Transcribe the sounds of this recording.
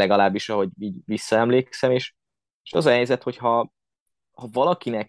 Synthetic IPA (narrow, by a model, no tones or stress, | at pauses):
lɛɡɒlaːbːiʃɒɦo̞ɟiːɟvisːɒɛmleːksɛmeːʃ | eːʃɒ̰zɒɦɛjzɛt̪ho̞chɒ | hɒvɒlɒkinɛk